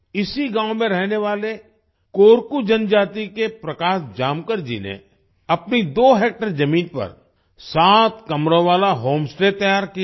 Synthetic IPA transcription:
ɪsiɡãːõmẽɾɛɦneʋaːle | koːɾkud͡ʒɐnd͡ʒaːt̪ikepɾɐkaːʃd͡ʒaːmkəɾd͡ʒḭnḛ | ɐpnid̪oːɦeːk̚ʈəɾd͡ʒɐmiːnpɐ̰ɾ | saːt̪kɐmɾõʋaːlaɦoːmsʈeːt̪ɐjaːɾki

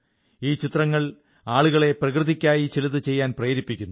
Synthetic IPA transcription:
iːt͡ɕit̪rɐŋːɐɭ | aːɭuɣɐɭe̞prɐkrɨðikʲːaːjit͡ɕilɐðɨt͡ɕe̞jːaːnprejːɾipːikʲːunːu

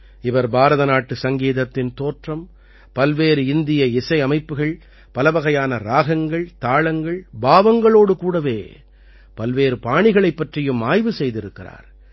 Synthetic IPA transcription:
ɪʋɐɾbaːɾɐðɐnaːʈːɯsɐŋɡeːðɐt̪ːɪnt̪oːʈrɐm | pɐlʋeːɾɯɪnd̪ɪjɐɪsɐɪɐmɐɪpːɯɣɐɭ | pɐlɐʋɐɣɐjaːnɐɾaːɣɐŋɡɐɭt̪aːɭɐŋɡɐɭbaːʋɐŋɡɐɭoːɽɯkuːɽɐʋḛː | pɐlʋeːɾɯpaːɳɪɣɐɭɐɪpːɐʈrɪjɯmaːjʋɯsɛjðɪɾɯkːɪra̰ːɾ

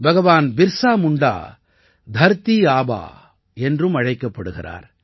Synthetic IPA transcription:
bɐɣɐʋaːnbɪɾsaːmʊɳɖa̰ː | d̪ʱɐɾt̪ːiaːba̰ː | ɛndrɯmɐɻɐɪkːɐpːɐɽɯɣɪ̰ra̰ːɾ

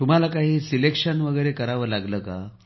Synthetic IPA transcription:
t̪um̤alakaɦiːsilekʂənʋəɡəjɾekəɾaʋəːlaɡləːka

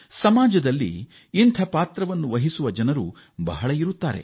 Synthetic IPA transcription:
sɐmaːd͡ʒɐd̪ɐlːḭː | nt̪ʰɐpaːt̪ɾɐʋɐnːuʋɐɦisuʋɐd͡ʒɐnɐɾu | bɐɦɐɭɐiɾut̪ːaːɾḛ

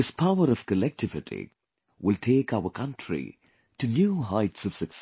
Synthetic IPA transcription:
ɪspʰaʊəɾʌv̥kəlɛk̚tɪvɪʈʰḭ | wʔɪltʰeːkaʊəkʰʌ̃ntʰɹḭ | tɨnjuːɦaɪtsʌv̥sɨks

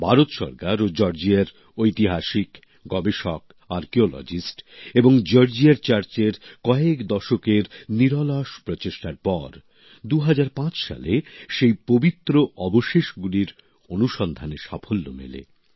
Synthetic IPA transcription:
bʱaɾot̪ʃɔ̰ɾkaɾod͡ʑɔɾd͡ʑiaɾ | ojt̪iɦaʃik | ɡɔbeʃɔk | aɾkeolɔ̰d͡ʑisʈeboŋd͡ʑɔɾd͡ʑiaɾt͡ɕaɾt͡ɕeɾkɔekd̪ɔʃokeɾniɾɔlaʃpɾɔt͡ɕeʃʈaɾpɔɾ | d̪uɦad͡ʑaɾpãt͡ɕʃa̰leʃejpobit̪ːɾoʔɔboʃeʃɡuliɾ | onuʃɔnd̪ʱaneʃafʰolːo̰mḛlḛ

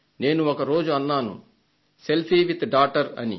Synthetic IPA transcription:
ne̞ːnuɔkɐɾo̞ːd͡ʒuɐnːaːnṵ | selpiːʋit̪ɖaːʈɐɾɐ̰nḭ

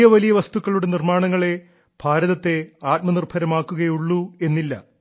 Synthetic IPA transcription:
jɐʋɐlijɐʋɐst̪ukːɐɭuɽe̞nirmaːɳɐŋːɐɭe̞ | bʱaːɾɐðɐt̪ːe̞aːt̚mɐnirbʱɐɾɐmaːkːuɣɐjuɭːue̞nːilːɐ

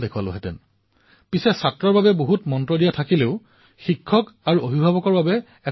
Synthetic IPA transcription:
dekʰualʊ̰ɦɛtɛ̰n | pisɛsatɹɔɹbabɛboɦutmɔntɹodijatʰakileʊ | xikʰːɔkaɹuobʱibʱabɔkɔɹbabɛ | ɛ

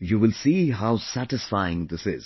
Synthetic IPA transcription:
juːʋɪlsiːɦaʊsæʈɪsfaɪɪ̃ŋd̪ɪsɪz̥

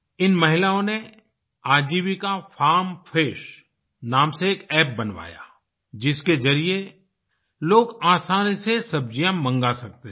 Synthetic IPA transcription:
ɪnmɐɦɪlaːõne | aːd͡ʒiːbikafʰaːɾmfʰeːʃ | naːmseːkɛːp̚bɐnʋa̰ːja̰ː | d͡ʒɪskezɐɾie | loːɡaːsaːnisesɐb̚d͡ʒijãmɐ̃ŋɡasɐk̚t̪e

